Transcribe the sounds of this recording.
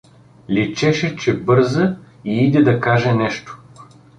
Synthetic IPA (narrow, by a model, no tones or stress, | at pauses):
lʲit͡ʃɛʃɛt͡ʃɛbɤɾzə | iid̪ɛd̪ɐkaʒɛnɛʃt̪o̥